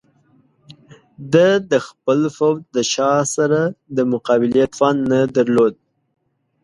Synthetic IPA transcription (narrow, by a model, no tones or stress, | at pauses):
d̪əd̪əxpəlfowd̪əʃɑsaɾad̪əmʊqɑbɪljat̪fɑnːad̪aɾlod̪̚